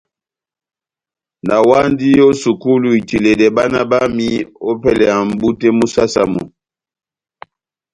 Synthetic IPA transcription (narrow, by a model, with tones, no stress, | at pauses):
na˨wa˦ndi˦jo˦su˨ku˦lu˨i˨ti˨le˨dɛ˨ba˦na˦ba˦mi˦o˦pɛ˦lɛ˨ja˨m̩˨bu˦tɛ˦mu˦sa˦sa̰˨mɔ̰˨